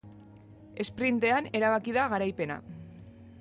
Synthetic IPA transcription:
e̞spɾint̪e̞ane̞ɾaβakiðaɣaɾajpe̞na̰

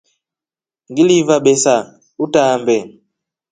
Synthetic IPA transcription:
ŋɡilivaɓɛsa | utambɛ

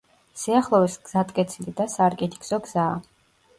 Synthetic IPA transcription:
siaχlˠɔvɛsɡ̥z̥at̪ʼkʼɛt̪sʰilid̪asaːɾkʼɛt̪ʰi̥kz̥ɔɡz̥aː

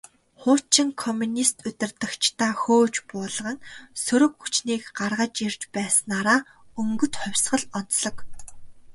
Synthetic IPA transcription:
χʊːt͡ɕɪ̆ŋkʰɔmunist̪ʰɵt̪ʲɪ̆rt̪ə̆kt͡ɕʰt̪ʰaːxoːt͡ɕpʊːɮə̆ʁə̆nsɵɾɵ̆kxut͡ɕniːkɢarʁə̆t͡ɕirt͡ɕpæːsə̆naːɾaː | ɵŋɡɵ̆t̪χʊ̟wʲsʁə̆ɮɔn̥t͡sɮɞ̆k

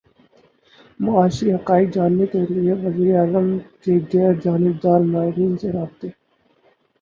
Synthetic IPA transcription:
mɐaːʃiɦɐqaːɪkd͡ʒaːnːek̪eɾieʋɐziːɾeaːzəmkeɡɛːɾd͡ʒaːnɪb̚d̪aːɾmaːɦɪɾiːnseɾaːb̚t̪eː

